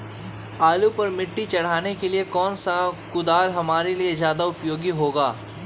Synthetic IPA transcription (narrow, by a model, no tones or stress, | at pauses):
aːlupɐɾmɪʈːit͡ʃɐɽ̤aːnekeliekɔːnsakʊd̪aːɾɦɐmaːɾeliezjaːd̪aʊpjoːɡiɦoːɡaː